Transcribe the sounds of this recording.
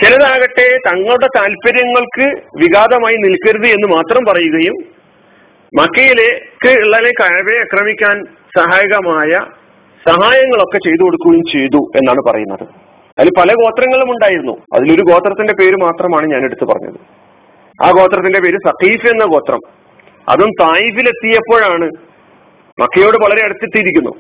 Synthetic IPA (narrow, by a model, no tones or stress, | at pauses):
t͡ɕelɐðaːɣɐʈːe̞t̪ɐŋːɐɭuɽe̞t̪aːlpɐɾjɐŋːɐɭkɨʋiɣaːd̪ɐmaːjinilkːɐɾuðɨe̞nːɨmaːt̪rɐmpɐrɐjuɣɐjum | ɐkːɐjilekːɨiɭːɐlekɐjɐbeɐkrɐmikʲːaːn | sɐɦaːjɣɐmaːjɐ | sɐɦaːjɐŋːɐɭo̞kːe̞t͡ɕe̞jt̪̬uko̞ɽukːuɣɐjumt͡ɕe̞jt̪ue̞̰nːaːɳɨpɐ̰rɐ̰junːɐ̰ðɨ̰ | ɐðilpɐlɐko̞ːt̪rɐŋːɐɭumuɳɖaːjiɾunːṵɐ̰ðilo̞ɾuko̞ːt̪rɐt̪ːinde̞pe̞ːɾumaːt̪rɐmaːɳɨɲaːneɽut̪ːupɐ̰rɐ̰ɲːɐ̰ðɨ | a̰ːko̞ːt̪rɐt̪ːinde̞pe̞ːɾusɐqiːfe̞nːɐko̞ːt̪rɐ̰m | ɐ̰ðumt̪aːjifile̞t̪ːijɐpːo̞ːɻaːɳɨ | mʔɐ̰kːɐjo̞ːɽɨʋɐɭɐɾe̞ɐɽɐt̪ːit̪ːijiɾikʲːunːṵ